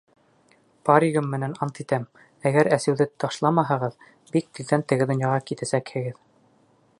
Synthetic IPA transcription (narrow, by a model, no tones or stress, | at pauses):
pɑɾʲiɣɤmːɘ̆nænɑnt̪it̪æm | æɡæɾæsɘ̆wðɘt̪ʰɑʃlˠɑmɑɦɤ̆ʁɤð | bik̚t̪ild̪ænt̪ɘ̆ɡɘd̪ŏnjɑʁɑkit̪æsækhɘ̆ɡɘð